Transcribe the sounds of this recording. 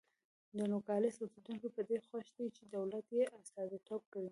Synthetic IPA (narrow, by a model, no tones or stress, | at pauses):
d̪ənokɑlɪsosed̪unkopəd̪exaʃd̪et͡ʃed̪awlat̪jeʔast̪ɑd̪it̪ob̚kəɽi